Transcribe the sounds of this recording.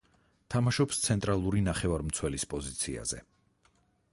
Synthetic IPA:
t̪ʰamaʃɔpst̪sʰɛnt̪ʼɾalˠuɾinaχɛvaɾmt̪sʰwɛlispʼɔzit̪sʰia̰zɛ̰

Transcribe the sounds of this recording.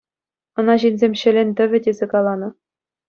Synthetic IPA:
ɤ̆nɑʑinʲzʲemʲɕɘ̆lʲɘ̆nʲt̪ʲɘ̆ʋʲɘ̆dʲezʲekɑlˠɑnɤ̆

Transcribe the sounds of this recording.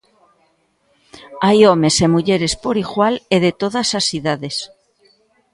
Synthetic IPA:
ajome̞se̞muʎeɾe̞spo̞ɾiɣwaleðe̞t̪o̞ðasasθiðaðe̞s

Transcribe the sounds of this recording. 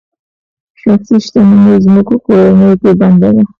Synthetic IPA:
ʃɑksiʃt̪anumezmukokoɾanəjopeband̪ad̪a

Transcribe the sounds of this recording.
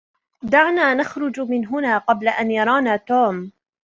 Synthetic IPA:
d̪aʕnaːnaxɾˤʊd͡ʒmɪnɦʊnaːqɑblaʔanjɑɾˤɑːnaːt̪oːm

